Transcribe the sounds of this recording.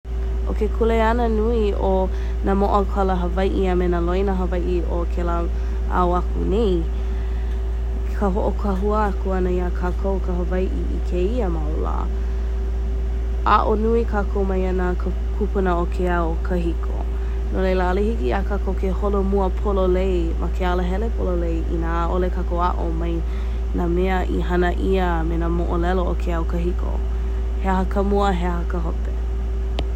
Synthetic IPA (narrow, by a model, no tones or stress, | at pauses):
ʔo̰kekʰuleɐnənui | o | namoʔɐkʰaləɦəvajʔiamenəlojnəɦəvajʔi | okʰela | a̰oakunej | kʰəɦoʔokʰaɦuəakuɐnəiakʰakʰowkəɦəvajʔiʔḭkʰeiəmaola̰ː | a̰ʔonuikʰakʰowmɐjanəkʰə | kʰupunəokʰeaokʰəɦikʰo̰ | nolejlalehikiakakokʰeholomuəpʰololej | mʔakʰealəɦɛlepʰololejʔḭnaʔolekʰakowaʔo̰maj | nameəʔḭhɐnəʔiə | menamoʔolɛlookʰeaokəɦikʰo̰ | heɦɐkəmuəɦehɐkəɦope